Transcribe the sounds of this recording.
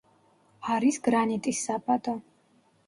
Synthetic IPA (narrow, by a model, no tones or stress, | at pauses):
aɾisɡɾanit̪ʼisːapʼad̪ɔ